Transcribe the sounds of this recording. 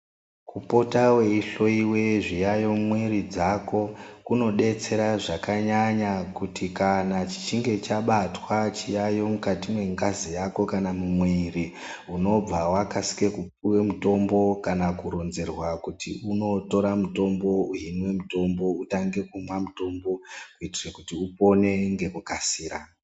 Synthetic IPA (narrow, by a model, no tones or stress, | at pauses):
kupo̞tawe̞iɬo̞iweʐijajo̞mwe̞ɾid͡zako̞kuno̞ɗe̞t͡se̞ɾaʐakaɲaɲakutikanat͡ʃi̥t͡ʃiŋɡe̞t͡ʃaɓatwat͡ʃijajo̞mukatimwe̞ŋɡazijako̞kanamumweri | uno̞b͡vawakasi̥ke̞kupuwe̞muto̞mbo̞kanakuɾo̞nze̞rwakutiuno̞to̞ɾamuto̞mbo̞uɦinwe̞muto̞mbo̞utaŋɡe̞kumamuto̞mbo̞kuitirekutiupo̞ne̞ŋɡe̞ukasiːɾa